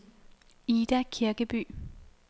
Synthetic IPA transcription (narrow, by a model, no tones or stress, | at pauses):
iːd̥ækʰiɐɡ̥əb̥y̰ː